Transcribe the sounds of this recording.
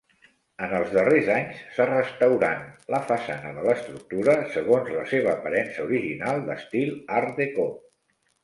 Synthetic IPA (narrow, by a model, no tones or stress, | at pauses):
ənəlˠzðərezaɲsːarəst̪əwɾanləfəsanəðələst̪ɾuk̚t̪uɾəsəɣonzləseβ̞əːpəɾɛnsəuɾiʒinalˠd̪əst̪ilˠaɾðeko